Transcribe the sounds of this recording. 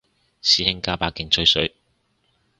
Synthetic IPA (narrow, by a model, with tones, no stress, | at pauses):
siː˨˥hɪ˥ŋkaː˥paː˨˥kɪ˨˧ŋt͡ʃʰɵ˥ɥsɵ˨˥ɥ